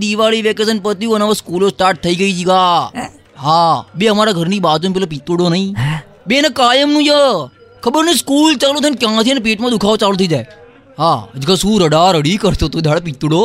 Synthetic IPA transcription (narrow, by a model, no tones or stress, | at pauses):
d̪iʋaːɭiʋɛkes̬ənpət̪iuənaːʋəskuːlosʈaːɾʈ̚t̪ʰəiːɡəid͡ʒʰiɡaː | ɦabeəmaːɾaɡʱəɾniːbaːt̪onpɛlapit̪ːuɽoːnɐĩ | benəkaːjəmnũjə | kʰəbəɾnəĩskuːlt͡ʃaːlũt̪ʰənkjãːt̪ʰinep̬eːʈmãd̪ukʰaːʋt͡ʃaːlõt̪ʰid͡ʒaːe | ɦad͡ʒikasũːɾəɽaːɾəɽikəɾt̪ot̪od̪ʱjaːɽapɪt̪ːuɽoː